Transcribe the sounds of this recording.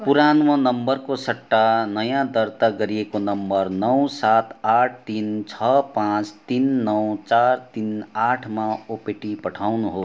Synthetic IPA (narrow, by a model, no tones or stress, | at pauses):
puɾanmʌ̃nʌmbʌrkosʌʈːanʌjãd̪ʌɾt̪aɡʌɾiekonʌmbʌrnʌwsat̪aʈʰt̪int͡sʰʌpãt͡st̪inːʌwt͡sart̪inaʈʰmãopeʈipʌʈʰawnuɦo